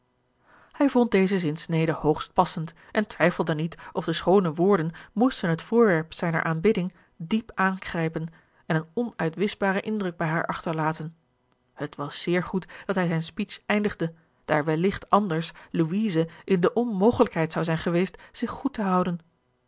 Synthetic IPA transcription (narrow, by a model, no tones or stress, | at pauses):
hɛjvɔnt̚dejzəzɪnsnejdəhowχst̚pɑsənt | ʔɛntʋɛjfəlˠdənitʔɔfdəsχownəʋʊːɹdənmustənɦətfʊːɹʋɛɹpsɛjnə̰ɹʔaːnbɪdɪŋ | dipaːnχrɛjpən | ɛnənɔnœɥtʋɪsbaːɾəʔɪndrɵɡ̚bɛjɦaːɹʔɑχtəɹlaːtən | hətʋɑsːɪːɹχutd̥ɑtɦɛjzɛjnspit͡ʃɛjndəχdə | d̥aːɹʋɛlɪχtɑndəɹsluiːzəʔɪndəʔɔnmowχələkɦɛjtsɑwzɛjnχəʋejstz̥ɪχːutəɦɑwdən